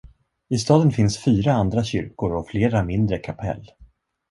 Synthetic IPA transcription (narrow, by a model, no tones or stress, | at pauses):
ɪst̪ɑːd̪ənfɪnsfyːɾaand̪ɾaɕʏ̰ɾkʊɾɔfleːɾamɪnd̪ɾəkʰapʰɛ̰lː